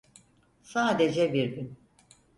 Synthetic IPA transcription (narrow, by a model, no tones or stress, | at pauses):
saːd̪ed͡ʒɛbiɾɡyn